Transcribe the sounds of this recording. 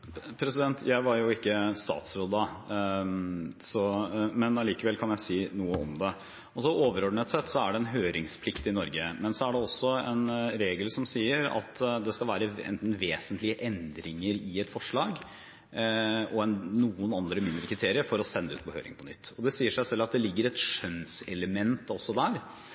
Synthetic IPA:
pʰɾɛsɪd̪ɛnt̪ʰjæɪʋɑɾjʊɪkːəst̪ɑ̰ːt̪sɾoːd̪ɑ | sɔmɛnɑliːkəʋɛlkʰɑnjæɪsiːnuːəɔmd̪ɛ | ɔsɔoːʋəɾɔɖɳət̪sɛt̪ːsɔæɖɛnɦøːɾɪŋspʰlɪkt̪ɪnɔɾɡəmɛnsɔæɖɛɔsːɔɛ̰nɾeːɡəlsɔmsiːəɾɑ̰t̪d̪ɛskɑlʋæːɾəɛ̰nt̪n̩ʋeːsənt̪lɪəʔɛnd̪ɾɪŋəɾɪɛt̪fɔʂɭɑːɡ | ɔɛnnːuːənɑnd̪ɾəmɪnd̪ɾəkʰɾɪt̪ʰeːɾɪəɾfɔɾɔsɛnːəʉːt̪̚pʰɔhø̰ːɾɪ̰ŋpʰɔnʏt̪ːɔd̪ɛsiːəʂæɪsɛlːɑt̪̚d̪ɛlɪɡːəɾɛt̪ʂœnsɛləmɛnt̪ɔsːɔd̪æːɾ

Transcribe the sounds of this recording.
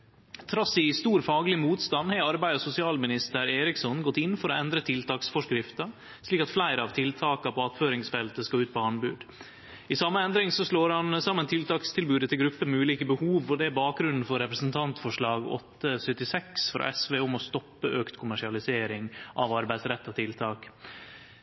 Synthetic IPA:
t̪ʰɾɑsɪst̪uːɾfɑːɡlɪmuːt̪st̪ɑnːhæɑɾbæɪəsʊsɪɑːlmɪnɪst̪əɾeːɾɪksɔnɡɔt̪ːɪnfɔɾɔɛnd̪ɾət̪ʰɪlt̪ʰɑːksfɔʂkɾɪft̪ɑ | sliːkɑt̪flæɪɾəɑʋt̪ʰɪlt̪ʰɑːkɑpʰɔɑt̪føːɾɪŋsfɛlt̪əskɑʉːt̪̚pʰɔɑɳbʉːd̪ | ɪsɑmːəɛnd̪ɾɪŋsɔsɭoːɾhɑnsɑmːənt̪ʰɪlt̪ʰɑːkst̪ʰɪlbʉːd̪ət̪ʰɪlɡɾʉpːəmɛʉːliːkəbəhuːʋɔd̪ɛæɾbɑːk̚ɡɾʉnn̩fɔɾːɛpɾəsənt̪ʰɑnt̪fɔʂɭɑːɡɔ̰t̪ːəsœt̪ːɪsɛksfɔɾɔ̰ɛsʋeːʊmɔst̪ɔpːəʔøːkt̪kʰʊmæʂɪɑlɪseːɾɪŋʔɑʋɑɾbæɪsɾɛt̪ːɑt̪ʰɪlt̪ʰɑːk

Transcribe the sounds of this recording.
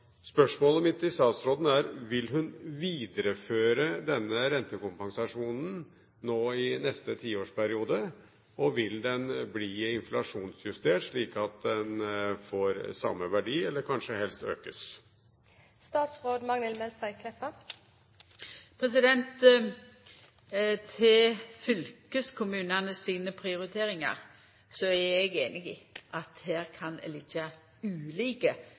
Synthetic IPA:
spœʂmoːləmɪt̪ːɪst̪ɑːt̪sɾoːd̪n̩æɾʋɪlɦʉnʋiːd̪əɾəføːɾəd̪ɛnːəɾɛnt̪əkʊmpɑŋsɑʂuːnn̩ | noːɪnɛst̪ət̪ʰiːoːʂpʰæɾɪuːd̪ə | ɔʋɪld̪ɛnbliːɪnflɑʂuːnsjʉst̪eːʈʂɭiːkɑt̪̚d̪ɛnfoːɾsɑ̰mːəʋæɖiːɛlːəɾkʰɑnʂəhɛlst̪ø̰ːkəs | st̪ɑːt̪sʁoːd̪mɑŋnɛlmɛlt̪æɪkʰlɛpːə | pʰʁɛsɪd̪ɛnt̪ | t̪ʰeɪfʏlkəskʰʊmʉːnɑnəsːiːnəpʰʁɪʊɾɪt̪ʰeːɾɪŋɑ̰ʁ | sɔæɛɡeːnɪɡḭːʔɑt̪hæːɾkʰɑnɛ̰liːt̪ʰɑ | ʉːliːkə

